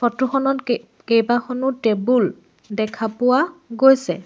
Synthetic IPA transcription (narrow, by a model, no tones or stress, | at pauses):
fʰɔtuxɔnɔt | kejbaxɔnʊtebul | dɛkʰapʊwaɡojsɛ̰